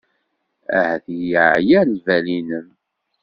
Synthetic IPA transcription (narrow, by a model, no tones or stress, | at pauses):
æ̰hæθjiʕjænvælinəm